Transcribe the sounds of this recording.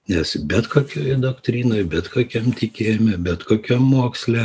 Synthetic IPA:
nʲɛsbʲɛt̪koːkʲoːjd̪oːkt̪ʲɾʲiːnoːjbʲɛt̪koːkʲɛmt̪ʲɪkʲeːjmʲɛbʲɛt̪koːkʲɛmːuɔksʲlʲɛ

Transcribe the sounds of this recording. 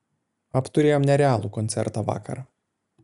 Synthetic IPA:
ɐpt̪ʊɾʲeːjoːmnʲɛɾʲɛaːlˠuːkɔnt̪sʲɛ̰ɾt̪ɑʋɑ̰ːkʰɐ̰ɾ

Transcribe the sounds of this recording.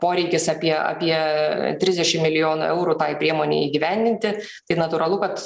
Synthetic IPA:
poːɾʲɛɪkʲɪsɑːpʲiɛɑ̰ːpʲiɛt̪ʲɾʲɪzd̪ʲɛʃʲɪmmʲɪlʲɪjoːnʊ̰ɛʊɾuːt̪ɑːɪpʲɾʲiɛmoːnʲḛːiːɡʲɪʋʲænʲd̪ʲɪnʲt̪ʲɪ | t̪ɐɪnɐt̪ʊːɾɐlˠʊkɐt̪

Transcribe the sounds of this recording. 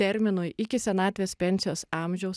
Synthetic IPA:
ɛɾʲmʲɪnʊjɪkʲɪsʲɛnɑːt̪ʲʋʲespʲɛnʲsʲɪjoːsɑˑmʲʒʲɛʊs

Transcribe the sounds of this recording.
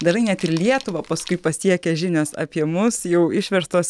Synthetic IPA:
d̪ɐrɐɪnʲɛt̪ɪɾlʲiɛt̪ʊʋɐpɐskʊɪpɐsʲiɛkʲɛʒʲɪnʲoːsɐ̰pʲiɛmʊsjɛʊɪʃʲʋʲɛɾst̪oːs

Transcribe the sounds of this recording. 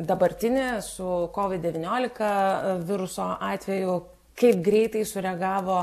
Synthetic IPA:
d̪ɐbɐɾʲt̪ʲɪnʲɪsʊkoːʋʲɪt̪̚ʲd̪ʲɛʋʲɪnʲoːlʲɪkɐʋʲɪɾʊsoːʔɑːt̪ʲʋʲɛjʊ | kɐɪp̚ɡɾʲɛɪt̪ɐɪsʊɾʲɛɡɑːʋoː

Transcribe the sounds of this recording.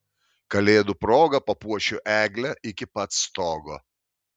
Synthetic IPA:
kɐlʲeːd̪ʊpɾoːɡɐpɐpuɔʃʲʊʔæːɡʲlʲɛʔɪkʲɪpɐt̪st̪oːɡoː

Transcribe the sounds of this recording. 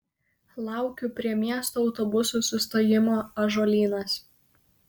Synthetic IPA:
lˠɑˑʊkʲʊpʲɾʲiɛmʲiɛst̪oːɒʊt̪ɔbʊsuːˑsʊst̪oːjɪmoːɐʒoːlʲiːnɐs

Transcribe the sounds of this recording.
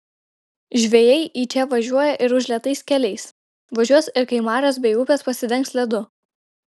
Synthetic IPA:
ʒʲʋʲɛjɛɪʔiːt͡ʃʲɛʋɐʒʲuɔjɛʔɪɾʊʒʲlʲiɛt̪ɐɪskʲɛlʲɛɪs | ʋɐʒʲuɔsɪɾkɐɪmɑːɾʲoːs̬bʲɛɪuːpʲeːspɐsʲɪd̪ʲɛŋˑksʲlʲɛd̪ʊ

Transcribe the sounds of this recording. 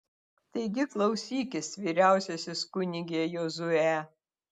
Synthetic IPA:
t̪ɐɪɡʲɪklˠɐʊsʲiːkʲɪsʋʲiːɾʲæˑʊsʲɛsʲɪskʊnʲɪɡʲeːjoːzʊæ

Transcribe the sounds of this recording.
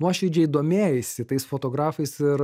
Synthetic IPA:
nuɔʃʲɛɪd͡ʒʲɛiːd̪oːmʲeːjɪsʲɪt̪ɐɪsfot̪oːɡɾɑːfɐɪsɪɾ

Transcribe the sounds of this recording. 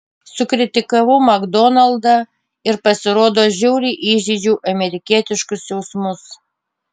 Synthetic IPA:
sʊkɾʲɪt̪ʲɪkɐʋʊmɐɡd̪ɔnɐlˠd̪ɐ | ɪɾpɐsʲɪɾoːd̪oːʒʲɛʊɾʲiːʔiːʒʲiːd͡ʒʲuːʔɐmʲɛɾʲɪkʲiɛt̪ʲɪʃkʊsjɛʊsmʊs

